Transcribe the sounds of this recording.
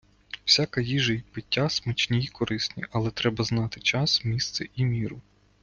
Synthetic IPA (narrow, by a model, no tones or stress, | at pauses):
wsʲakɐjiʒɐpɪtʲːasmɐt͡ʃnʲijkɔɾʔɪsʲnʲḭʔɐlˠɛt̪ɾɛbɐznɑt̪ɪt͡ʃɑsmʲist̪sɛʔimʲiɾʊ